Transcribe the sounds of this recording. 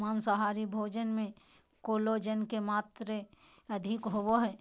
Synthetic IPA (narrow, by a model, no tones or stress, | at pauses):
maːnsɐɦaːɾibʱoːd͡ʒənmẽ | koːlod͡ʒənkemaːt̪ɾe | ɐd̪ʱɪkɦowoɦɛː